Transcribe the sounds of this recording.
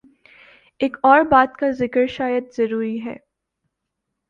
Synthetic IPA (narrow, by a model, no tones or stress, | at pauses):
eːkɔːɾbaːt̪kazɪkəɾʃaːjəd̪z̥ɐɾuːɾiɦɛ̰ː